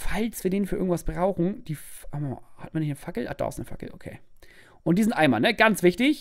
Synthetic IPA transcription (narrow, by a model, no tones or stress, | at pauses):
falsv̥iːɐdeːnfyːɪ̰ɡŋ̩tvasb̥ʁaʊxn̩d̥iːfam̰hatmaːɐnɪçnəfakl̩ʔa̰d̥a̰ːɪstnəfa̰kl̩ʔokʰḛː | ʔʊntd̥iːzɪntʔa̰ɪmaːlnəɡ̥ant͡sv̥ɪçtɪç